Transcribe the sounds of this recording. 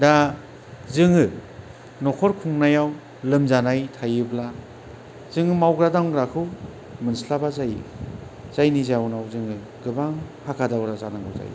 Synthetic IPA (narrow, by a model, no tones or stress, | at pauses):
da | zɯŋɯ | nɔkʰɔɾkʰuŋnajaw | lɯmzanajtʰajɯbla | z̥ɯŋɯmawɡɾadaŋɡɾakʰɯw | mɯnslabazaj | z̥ajnizawnawzɯŋɯ | ɡ̥ɯbaŋhakʰadawɾazanaŋɡɯwza̰j